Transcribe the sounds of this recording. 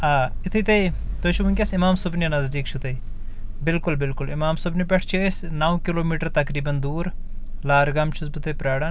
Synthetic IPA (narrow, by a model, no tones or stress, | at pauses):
aːɪt̪ʰɐt̪ɐj | t̪ojt͡ʃʰubunkʲɐsimaːmsʊbninɐzd̪iːkt͡ʃʰut̪ɐi | bɪlkʊlbɪlkʊlimaːmsʊbnipʲeʈʰt͡ʃʰiəs | naːwkiloːmiːʈɐɾt̪ɐkɾiːbɐnd̪uːɾ | laːɾɡɐmt͡ʃʰusbut̪ɐpɾaːɽɐ